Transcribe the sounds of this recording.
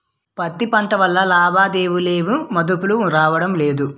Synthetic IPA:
pɐt̪ːipɐɳʈɐʋɐlːɐlaːbaːd̪eːʋuleːʋumɐd̪upuluɾaːʋɐɽɐmle̞ːd̪u

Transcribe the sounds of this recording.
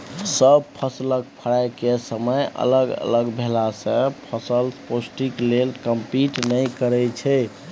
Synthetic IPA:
səbpʰəslək̚pʰəɽajkesəməjʔə̰ləɡə̰ləɡbʱelasə̃pʰəsəlposʈiklelkəmpiʈnəjkəɾɛt͡ʃʰɛ

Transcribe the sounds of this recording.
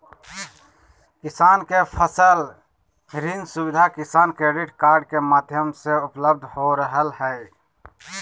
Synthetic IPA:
kɪsaːnkepʰəsəl | ɾinsubɪd̪ʱakɪsaːnkɾeɖɪʈkaːɾɖ̚kemaːd̪ʱjəmseʊpləb̚d̪ʱhoɾəɦəlhɛɪ

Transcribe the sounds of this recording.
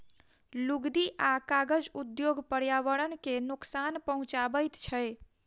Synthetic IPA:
luɡd̪iʔakaɡəd͡ʒud̪joɡpəɾjaʋəɾənkenuksanpəɦũt͡ʃabəjt̪t͡ʃʰəj

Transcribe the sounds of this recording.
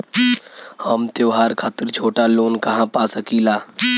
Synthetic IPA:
hɐmt̪joːɦaːɾkʰaːt̪əɾt͡ʃʰoːʈaloːnkɐɦãpaːsɐkiːlaː

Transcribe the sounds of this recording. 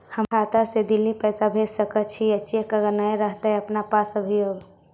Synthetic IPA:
həmkʰat̪ased̪ilːipəjsabʱesəkət͡ʃʰiətːʃekəɡəɾnajɾəɦt̪ɦɛəpnapasəbʱijoɡ

